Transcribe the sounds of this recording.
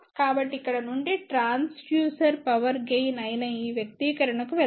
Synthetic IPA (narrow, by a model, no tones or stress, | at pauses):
kaːbɐʈːiikːɐɽɐnuɳɖiʈɾaːnsfjuːsɐɾpɐʋɐɾɡejnɐjnɐiːʋjɐk̚t̪iːkɐɾɐɳɐkuʋɛ